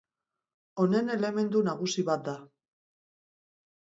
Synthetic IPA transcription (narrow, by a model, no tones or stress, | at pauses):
o̞ne̞ne̞le̞me̞nd̪unaɣ̞usiβat̪̚d̪a